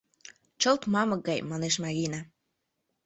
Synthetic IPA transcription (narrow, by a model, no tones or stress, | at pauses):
t͡ɕəlt̪mɑmɤk̚ɡɑjmɑneʃmɑɣinɑ